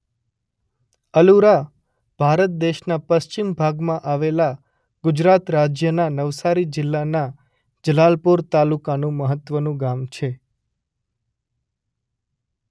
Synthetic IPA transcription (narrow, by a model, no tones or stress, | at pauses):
əluɾa | b̥ʱaɾət̪̚d̪eʃnapəst͡ʃimbʱaɡmãʔaʋela | ɡʊd͡ʒɾat̪ɾad͡ʒjənanəʋsaɾid͡ʒɪlːana | d͡ʒəlalpuɾt̪alukanũməɦət̪ʋənũɡamt͡ʃʰe